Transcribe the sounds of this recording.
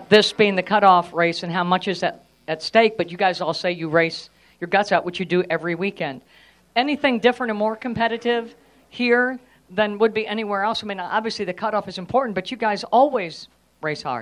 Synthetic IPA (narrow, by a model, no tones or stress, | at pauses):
ðɪsb̥iɪ̃ŋðɨkʰʌɾɔfɹeɪsɨ̃nɦaʊmʌt͡ʃɨzðɨt̚ | ɨtsteɪk̚b̥ʌt͡ʃɨɡaɪzɔlˠseɪjɨɹeɪs | jə˞ɡʌtsəʔ̚wɨt͡ʃɨdɨʔɛvɹiwikɛ̃nd̥ | ɛniθɪ̃ŋdɪfɹɨ̃ñə̃mɔɹkʰm̩pʰɛɾɨɾɪv̥ | hiɹ | ðɨ̃nwəd̚biʔɛñiwɛɹɛlˠsmĩnʔɑbviɨsliðɨkʰʌɾɔfɨzɨ̃m̩pʰɔɹʔn̩b̥ʌt͡ʃɨɡaɪzɔlˠwiz̥ | ɹeɪshɑ̰ɹ